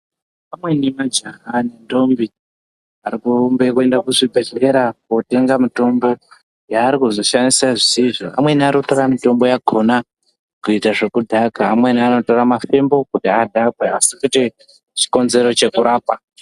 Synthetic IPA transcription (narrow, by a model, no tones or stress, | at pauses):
pamwe̞nimad͡ʒaɦanendo̞mbi | aɾikumbekue̞ndakuʐibʱeɮe̞ɾako̞te̞ŋɡamito̞mbo̞ | jaːɾikuzo̞ʃandisaʐisiʐoa̰mwe̞niaɾikuto̞ɾamito̞mbo̞jaɡʱo̞na | kuitaʐe̞kudʱakaːmwe̞niano̞to̞ɾamafe̞mbo̞kutiadʱakweasikute | t͡ʃi̥ko̞nze̞ɾo̞t͡ʃe̞kuɾaːpa